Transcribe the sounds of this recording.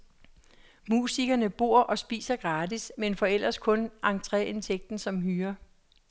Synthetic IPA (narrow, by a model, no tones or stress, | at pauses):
musiɡ̥ɐnəb̥o̝ɐ̰ʔɒ̽sb̥ḭːsɐɡ̥ʁɑ̈ːdismenfɒ̽el̰ɐskʰɔ̽nʔɑ̈ŋt͡sʰʁɛ̰ent͡sʰeɡ̥̚d̥n̩sɒ̽mɦyːɐ